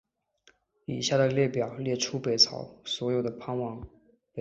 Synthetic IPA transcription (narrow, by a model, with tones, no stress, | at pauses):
i˨˩ɕja˥˩d̪ə˩ljɛ˥˩pjɑ˨˩ʊljɛ˥˩ʈ͡ʂʰu˥pe˨˩ɪt͡sʰɑ̰˨˧˥ʊswɔ˧˥jo˨˩ʊd̪ə˩pʰa˥˧nwɑ˥˩ŋ | pe˨˩